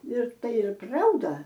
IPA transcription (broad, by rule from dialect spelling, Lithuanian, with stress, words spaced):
ɪr ˈtɐɪ ˈɪr ˈprɐʊdɐ